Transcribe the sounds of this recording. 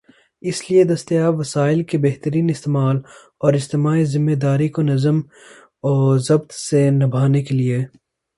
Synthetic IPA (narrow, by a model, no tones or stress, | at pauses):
ɪslied̪ɐst̪ijaːbʋɐsaːɪlkebeɦt̪əɾiːnɪst̪eːmaːl | ɔːɾɪd͡ʒt̪eːmaːizɪmːed̪aːɾikonɐzəm | ɔːzɐbt̪senɐbʱaːnekelie